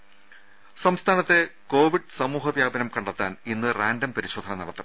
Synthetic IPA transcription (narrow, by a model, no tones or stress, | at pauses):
sɐmst̪ʰaːnɐt̪ːe̞ko̞ːʋiɖsɐmuːɦɐbjaːbɐnɐmkɐɳɖɐt̪ːaːninːɨraːndɐmpɐɾiɕo̞ːd̪ʰʱɐnɐnɐɽɐt̪ːɐm